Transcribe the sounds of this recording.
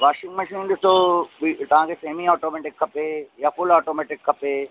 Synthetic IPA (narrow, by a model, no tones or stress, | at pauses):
ʋaːʃɪ̃ŋɡmɐʃinĩnd̪ɪst̪oit̪ɐʋ̤ãŋkʰeseːɦmiɔːʈoːmɛːʈɪkʰːɐpejaːfʊlɔːʈoːmɛːʈɪkʰːɐpe